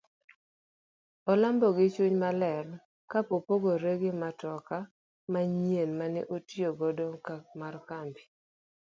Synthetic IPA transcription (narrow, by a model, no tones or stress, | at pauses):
ɔlambɔɡɪt͡ʃuɲmalɛl | kapopoɡoɾeɡɪmatɔka | maɲjenmanɛ̰ʔotioɡɔdokamarkambi̥